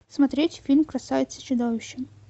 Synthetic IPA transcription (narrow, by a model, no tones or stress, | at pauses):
smɐt̪ɾʲetʲfʲilʲmkɾɐsajɪt̪sə̥t͡ɕɪd̪ovʲɪɕːɪ